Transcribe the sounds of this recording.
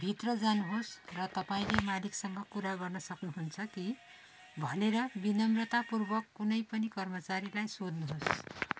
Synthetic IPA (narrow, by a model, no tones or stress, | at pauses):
bʱit̪rʌd͡zanuɦosrʌt̪ʌpaĩlemaliksʌŋɡʌkuɾaɡʌrnʌsʌknuɦunt͡sʰʌki | bʱʌneɾʌbinʌmrʌt̪apurbʌkːunʌjpʌnikʌrmʌt͡saɾilajsod̪nuɦos